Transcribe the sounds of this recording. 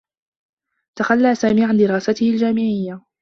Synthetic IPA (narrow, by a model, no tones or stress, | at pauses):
t̪axalːaːsaːmiːʕand̪ɪɾɑːsat̪ɪhɪld͡ʒaːmɪʕɪjːa